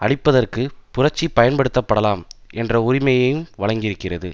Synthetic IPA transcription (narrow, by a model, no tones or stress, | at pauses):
ʔɐɽɪpːɐðɐrkɯpʊrɐt͡ʃːipːɐjɐnpɐɽɯt̪ːɐpːɐɽɐlaːmɛndrɐʊrɪmɐjɐjɯmʋɐɻɐŋɡɪɾɯkːɪrɐðɯ̰